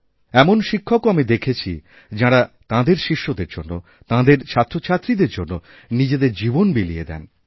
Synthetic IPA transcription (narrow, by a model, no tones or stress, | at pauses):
ɛmonʃikʰːokoamid̪ekʰet͡ɕʰi | d͡ʑaɽat̪ãd̪eɾʃiʃːod̪eɾd͡ʑonːo | t̪ãd̪eɾt͡ɕʰat̪ːɾot͡ɕʰat̪ːɾid̪eɾd͡ʑonːo | nid͡ʑed̪eɾd͡ʑibonbelijed̪ɛ̰n